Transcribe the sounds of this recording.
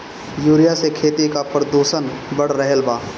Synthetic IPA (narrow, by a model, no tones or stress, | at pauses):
juːɾijasekʰeːt̪ikapɾd̪oːʃənbəɽ̤ɾəɦelbaː